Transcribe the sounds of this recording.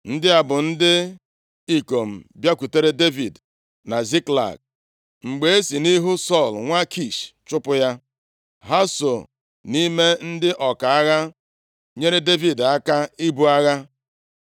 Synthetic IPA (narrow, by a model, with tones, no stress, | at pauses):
n̩˦dɪ˦a˨bʊ˨n̩˦dɪ˦ | i˨ko˨m̩˨bja˦kʷu˨te˦ɾe˦de˦vi˨d | na˨zi˦kla̰˨ɡ̚ | ŋ͡m̩˨ɡ͡be˨e˦si˨ni˦ɦu˦sɔ˦˨lŋʷa˦kʰi˦˨ʃt͡ʃʊ˦pʊ˦ja˦ | ɦa˦so˨ | ni˦me˦n̩˦dɪ˦ʔɔ˨ka˨a˦ɣa˦ | ɲe˦ɾe˦de˦vi˨da˦ka˦i˦bu˦a˦ɣa˦